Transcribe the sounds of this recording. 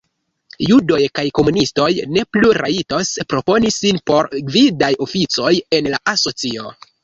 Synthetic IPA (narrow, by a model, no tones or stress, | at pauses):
judo̞jkajko̞munisto̞jne̞pluɾa̰ito̞spɾo̞po̞nisinpo̞ɾɡvidajo̞fit͡so̞je̞nlaʔaso̞t͡sio̞̰